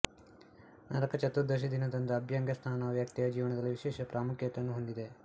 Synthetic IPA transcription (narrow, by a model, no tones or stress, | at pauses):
nɐɾɐkɐt͡ʃɐt̪ːud̪ɐʃ̬id̪inɐd̪ɐnd̪ɐɐbʱjɐŋɡɐst̪ʰaːnɐʋjak̚t̪ijɐd͡ʒiːʋɐnɐd̪ɐlːiʋiʃɛːʃɐpɾʔaːmukʰjɐt̪ːɐnːuɦond̪id̪e̞